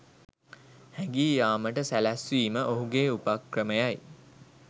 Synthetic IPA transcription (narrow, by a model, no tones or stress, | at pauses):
hæŋɡiːjaːməʈəsælæsʋiːməʔoɦuɡeːupakrəməjaj